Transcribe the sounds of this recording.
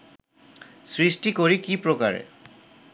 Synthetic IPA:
sɹisʈikoɹikipɾoka̰ɾḛ

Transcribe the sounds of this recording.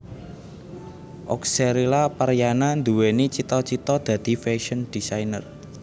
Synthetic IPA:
ʔɔ̰kseɾilapəɾjanand̪uwenit͡ʃit̪ɔt͡ʃit̪ɔd̪̥ä̤d̪̥i̤feʃənd̪̥isajnə̰r

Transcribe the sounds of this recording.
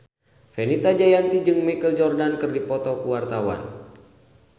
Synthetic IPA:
fɛnit̪ad͡ʒajant̪id͡ʒɨŋmikəld͡ʒɔrdankɨrdipɔt̪ɔkuwart̪awa̰n

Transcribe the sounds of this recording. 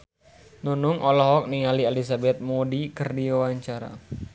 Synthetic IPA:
nunʊŋʔɔlɔɦɔk̚niŋalialisabɛt̪̚modikərdiwawaɲt͡ʃaɾa̰

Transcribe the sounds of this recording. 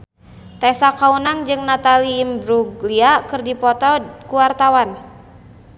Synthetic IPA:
t̪ɛsakaunaŋd͡ʒɨŋnat̪aliːmbɾuɡliakɨrdipɔt̪ɔkuwart̪awan

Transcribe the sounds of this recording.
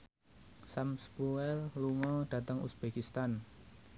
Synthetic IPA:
samspuɛlluŋɔɖ̥ä̤t̪əŋṵsb̥ekist̪an

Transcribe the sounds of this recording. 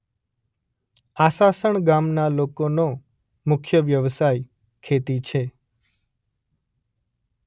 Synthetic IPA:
asasəɳɡamnalokono | mʊkʰjəʋjəʋsaj | kʰet̪it͡ʃʰe

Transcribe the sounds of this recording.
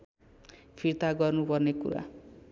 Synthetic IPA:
pʰiɾt̪aɡʌrnupʌrnekṵɾa̰

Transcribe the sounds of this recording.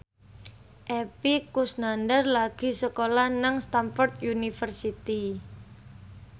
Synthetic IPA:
ʔepikusnandərlaɡ̥i̤səkolanaŋst̪amfɔrt̪junifərsit̪i

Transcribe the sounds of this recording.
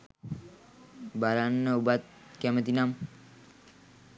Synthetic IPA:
balanːəubat̪̚ | kæmət̪inam

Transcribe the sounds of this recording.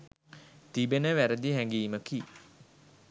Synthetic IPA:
t̪ibenəʋæɾəd̪iɦæŋɡiːməki

